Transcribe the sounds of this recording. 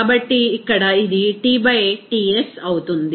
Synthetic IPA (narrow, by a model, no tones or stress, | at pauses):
bɐʈːiːkːɐɽɐid̪iʈiːbɐjʈiesɐwt̪und̪i